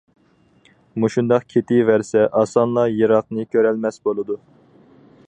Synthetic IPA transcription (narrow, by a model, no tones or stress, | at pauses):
muʃund̪ɑqkʲʰet̪ʰɪvæɾsɛʔɑsɑnlˠɑjɨɾɑq̚nɨkʲʰøɾɛlmɛsbolˠɨd̪u